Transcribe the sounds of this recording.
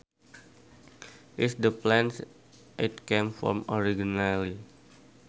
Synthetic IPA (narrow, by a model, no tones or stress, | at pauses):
ʔisdəplɛ̃ns | ʔit̪̚kemfɔ̰mɔɾiɡinali